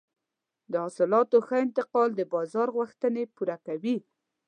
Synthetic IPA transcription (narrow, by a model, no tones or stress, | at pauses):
d̪əhɑsɪlɑt̪oxəɪnt̪ɪqɑld̪əbɑzɑɾɣwəxt̪ənepuɾakawi